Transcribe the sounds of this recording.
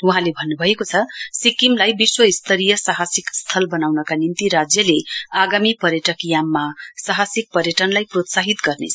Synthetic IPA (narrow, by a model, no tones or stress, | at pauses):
uɦãlebʱʌnːubʱʌekot͡sʰʌsikimlajbiswʌist̪ʰʌɾijʌsaɦasikst̪ʰʌlbʌnawnʌkanint̪iɾad͡zjʌleaɡamipʌɾjʌʈʌkijamːasaɦasik̚pʌɾjʌʈʌnlajprot̪saɦit̪ɡʌrnḛt͡sʰʌ